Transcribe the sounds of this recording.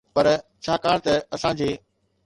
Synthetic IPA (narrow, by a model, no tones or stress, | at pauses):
pɐɾt͡ɕʰaːkaːɽ̃t̪ɐɐsãːd͡ʑeː